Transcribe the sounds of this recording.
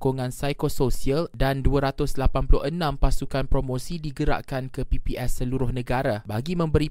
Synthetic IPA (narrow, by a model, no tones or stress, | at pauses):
koŋãnsajkososialdanduaɾat̪ʊslapanpulʊhənãmpasukanpɾomõsidiɡəɾa̰ʔkankəpipiʔɛsːəluɾʊhnə̃ɡaɾabaɡimə̃mbəɾi